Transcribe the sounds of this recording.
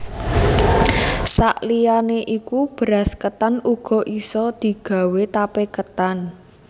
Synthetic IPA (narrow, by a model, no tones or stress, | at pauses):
sa̰ʔlijaneʔikub̥əɾaskət̪anuɡ̥ɔ̤ʔisɔd̪̥i̤ɡ̥ä̤wet̪apekət̪an